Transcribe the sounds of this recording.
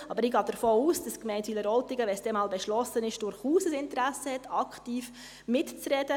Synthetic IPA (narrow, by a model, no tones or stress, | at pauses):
ɑbəɾɪɡɑːd̥əɾfoːuːsd̥ɑskmɛɪntiːləɾɔltɪɡəʋɛsd̥ɛmɑːlbɛʃlɔsənɪʃd̥ʊɾχuːsəsɪntəɾæsəhɛtɑkχtiːf | mɪtt͡srɛd̥ə